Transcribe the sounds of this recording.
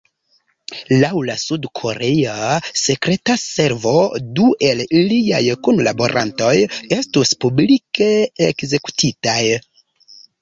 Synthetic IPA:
lawlasudkʰo̞ɾe̞ase̞kɾe̞tase̞ɾvo̞duʔe̞lilia̰jkunlabo̞̰ɾʔa̰nto̞je̞stuspublike̞ekze̞ku̥tʰitaj

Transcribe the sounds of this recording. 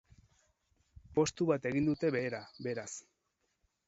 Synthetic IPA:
po̞st̪uβat̪e̞ɣind̪ut̪e̞βe̞ːɾabe̞ɾas

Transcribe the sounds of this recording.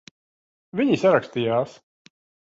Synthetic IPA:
vʲiɲisaɾakst̪ijaːs

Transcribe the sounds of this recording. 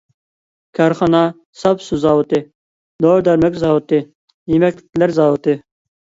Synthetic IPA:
kʰɑɾχɑnɑ | sɑpsuzɑːwut̪ɨ | d̪oɾd̪ɑɾmɛkʲzɑːwut̪ɨ | jimɛkʲlɪlæɾzɑːwut̪ɨ

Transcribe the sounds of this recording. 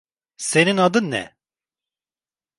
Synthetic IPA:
sɛninɑd̪ɨnːɛ̰

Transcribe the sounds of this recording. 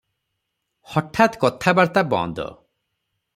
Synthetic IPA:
hɔʈʰat̪kɔt̪ʰabaɽt̪abɔ̰̃nd̪ɔ̰

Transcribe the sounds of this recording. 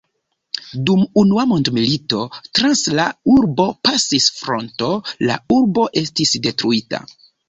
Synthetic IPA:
dumunuamondmilito̞tɾanslauɾbo̞pasisfɾo̞nto̞la̰uɾbo̞ʔe̞stisde̞tɾuita̰

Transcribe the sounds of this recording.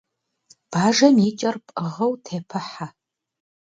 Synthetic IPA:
b̥aːʒɐmit͡ʃʼɐrpʼəʁɐwtʰeːpʰɨħa

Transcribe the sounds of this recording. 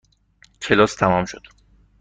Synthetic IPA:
cʰe̞lɒːst̪ʰæmɒmʃod̪̥

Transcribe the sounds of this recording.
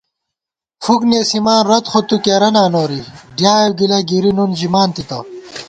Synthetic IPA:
fuknesimaːnɾɐt̪χot̪ukeɾɐnaːnoːɾiɖjaːjewɡilɐɡiɾinund͡ʑimaːnt̪it̪ɐ

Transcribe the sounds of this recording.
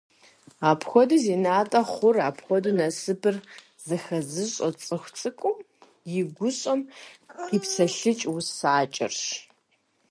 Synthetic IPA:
aːpʰxʷɔduziːnaːtʼɐχʷʊraːpxʷɔdunɐsɨpʰɨr | z̥ɐxɐzɨɕʼɔt͡sʼɨxʷt͡sʼɨkʷʼʊ | jɪɡʷʊɕʼɔmipsɐɬɨt͡ʃʼwʊsaːt͡ʃʼɪ̰rʃ

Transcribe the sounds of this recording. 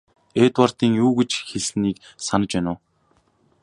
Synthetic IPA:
eːt̪war̥t̪iːŋjuːɡĕt͡ɕxeɮniːk | sanə̆t͡ɕpænʊː

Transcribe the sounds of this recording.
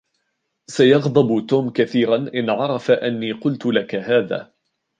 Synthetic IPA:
sajɑɣd̪ˤɑbt̪uːmkaθiːɾanʔɪnʕɑɾˤɑfaʔanːiːqʊlt̪ʊlakahaːða̰ː

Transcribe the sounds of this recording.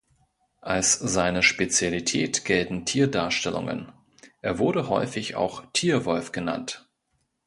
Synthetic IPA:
ʔalszaɪnəʃpet͡sjalitʰɛ̰ːtɡ̥ɛltn̩tʰiːɐdaːɐʃtɛlʊ̰ŋə̰n | ʔeːɐvʊɐɾəɦɔ̰ʏfɪça̰ʊxtʰiːɐvɔlfɡ̥əna̰nt

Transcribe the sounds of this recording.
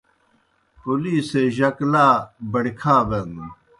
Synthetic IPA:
puliːseʑɐklaːbɐɽikʰaːbɐnu

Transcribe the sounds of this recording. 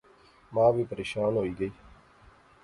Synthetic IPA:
mãːʋiːpəɾeːʃaːnɦoːiːɡəiː

